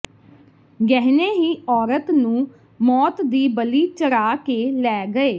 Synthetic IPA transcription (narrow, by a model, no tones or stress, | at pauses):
ɡɛɦneːɦiːɔːɾət̪nũː | mɔːt̪d̪iːbəliːt͡ʃəɾaːkeːlɛːɡəeː